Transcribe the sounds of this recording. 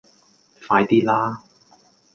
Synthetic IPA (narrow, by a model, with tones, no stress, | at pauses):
faː˧jt̪iː˥laː˥